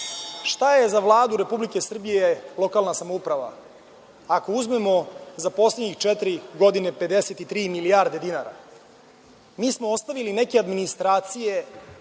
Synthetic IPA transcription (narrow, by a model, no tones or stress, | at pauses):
ʃt̪aje̞zaʋlˠaːd̪uɾe̞publike̞sr̩bijelo̞kalnasamoupɾaʋa̰ | ako̞uzme̞mo̞zapo̞sleɲixt͡ʃɛt̪iɾiɡo̞d̪inepe̞d̪e̞set̪it̪ɾiːmilijaːɾd̪e̞d̪inaɾa̰ | miːsmo̞ost̪aʋiline̞kead̪minist̪ɾaːt̪sije̞